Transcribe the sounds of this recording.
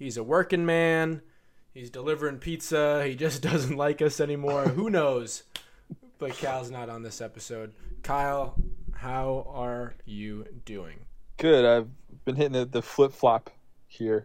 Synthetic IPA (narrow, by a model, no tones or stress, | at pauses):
hizəwɜ˞kɪ̃ŋmæ̃n | hizdəlɪvə˞ɪ̃ŋpʰitsəhid͡ʒʌsd̥ʌzɨ̃n̩ʔˡlaɪkʌsɛnimɔɹɦunoʊz̥ | b̥ʌt̚kʰaɪlˠznəɾn̩ðɪsɛpɨsoʊd̚kʰaɪlˠhaʊə˞jɨdʉɪ̰̃ŋɡ̥ʊdaɪvbɨ̃nɦɪɾɪ̃ŋɨtðɨflɪtflɑp | hiɹ